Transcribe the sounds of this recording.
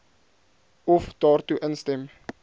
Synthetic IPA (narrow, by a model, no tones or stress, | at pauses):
ɔfd̥ɑːrtuʔənstɛm